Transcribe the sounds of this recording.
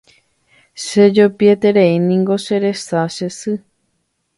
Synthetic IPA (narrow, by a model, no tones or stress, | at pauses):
ʃed͡ʒopiet̪e̞ɾeinĩŋɡo̞ʃe̞ɾe̞saʃesɨ